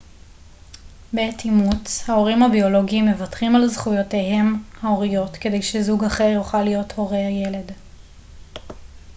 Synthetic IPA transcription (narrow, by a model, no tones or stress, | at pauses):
betʰimut͡shao̞ʁimhabio̞lo̞ɡimːe̞vatχimalzχujote̞ɦe̞mhaoʁijo̞tke̞de̞jʃezuɡaχe̞ʁjoχalijo̞tho̞ʁejele̞d